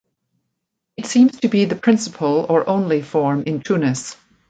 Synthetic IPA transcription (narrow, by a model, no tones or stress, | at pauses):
ɨtsĩmz̥tʰɨbiðɨpʰɹ̥ɪ̃nsəpʰəl̩ˠə˞ʔõʊ̃nlifɔɹmʔɪ̃ntʰʉnɨs